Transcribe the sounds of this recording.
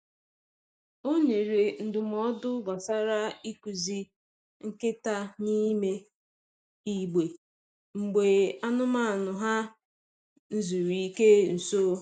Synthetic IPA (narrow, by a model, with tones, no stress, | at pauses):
o˦ɲe˨ɾe˨n̩˨dʊ˨m˨ɔ˦dʊ˦ɡa˨sa˦ɾa˦i˦ku˨zi˦ | ŋ̩˦kɪ˦ta˦ni˦me˦ | i˦ɡ͡be˨ | ŋ͡m̩˨ɡ͡be˨a˦nʊ˦ma˦a˨nʊ˨ɦa˦ | n̩˦zu˨ɾi˨i˦ke˦n̩˨so˦